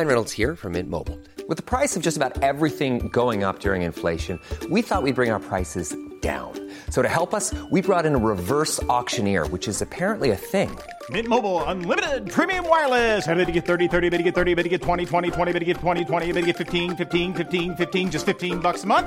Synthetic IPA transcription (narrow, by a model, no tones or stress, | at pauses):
ɪ̃nɹɛɾl̩ˠz̥hiɹfʌ̰̃˞mɪ̰̃n̚mo̰ʊbl̩ˠ | wɨðəpʰɹ̥aɪsʌvd͡ʒʌstəbaʊɾɛvɹiθɪ̃ŋɡoʊɪ̃ŋʌ̰p̚d̥ʊɹɪ̰̃ŋɨ̃nfleɪʃɨ̃nwiθɔt̚wid̚bɹɪ̃ŋaʊə˞pʰɹ̥aɪsɨzd̥ã̰ʊ̃n | soʊɾɨhɛlˠpʌswibɹɔɾɨ̃nəɹɪvɜ˞sɔkʃɨ̃nɪ̰ɹwɨt͡ʃɨzɨpʰɛɹɨ̃nʔliɨθɪ̃ŋ | mɪ̃t̚moʊbl̩ˠə̃nlɪ̃mɨɾɪdd̚pʰɹ̥ĩmiɨ̃mwaɪ˞lˠɪzɛbɨɾɨɡɛt̪̚θɜ˞ɾiθɜ˞ɾiɨbɪɾɨɡɛt̪̚θɜ˞ɾibɨt̚ɨɡɛtʰw̥ɛ̃ɾ̃itʰw̥ɛ̃ɾ̃itʰw̥ɛ̃ɾ̃ibɪɾɨɡɛtʰw̥ɛ̃ɾ̃itʰwɛ̃ɾ̃iɨbɪɾɨɡɛtfɪftʰĩnfɪftĩnfɪftĩnfɪftĩnd͡ʒʌstfɪftĩnbʌksəmʌ̃nθ